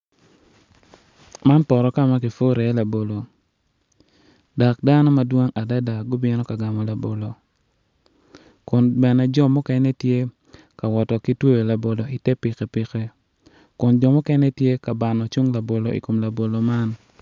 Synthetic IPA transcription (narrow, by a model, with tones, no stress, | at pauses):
ma˦npɔ˨ɾɔ˨ka˦ma˦ki˨fo˦ɾɛ˨˦la˨bo˨lo˨ | da˨k̚da˦nɔ˦ma˨dwo˦ŋa˨da˦da˨ɡɔ˦bɪ˦nɔ˦ka˨ɡa˨mɔ˨la˨bo˨lo˨ | kʊ˨nbɛ˨nɛ˨d͡ʒɔ˦mɔ˦kɛ˦nɛ˦tje˦ | ka˨wɔ˨tɔ˨ki˦two˦jo˨la˨bo˨lo˨i˨tɛ˦pɪ˨kɛ˨pɪ˨kɛ˦ | kʊ˨nd͡ʒɔ˨mɔ˦kɛ˦nɛ˦tje˦ka˨ba˨nɔ˨t͡ʃu˦ŋla˨bo˨lo˨ʔḭ˨ko˨mla˨bo˨lo˨ma˦n